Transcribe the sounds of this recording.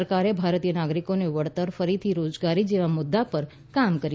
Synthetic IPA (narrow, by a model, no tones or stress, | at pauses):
əɾkaɾebʱaɾt̪ijənaɡɾikoneʋəɽt̪əɾfəɾit̪ʰiɾod͡ʒɡaɾid͡ʒeʋamʊd̪ːapəɾ | kamkəɾi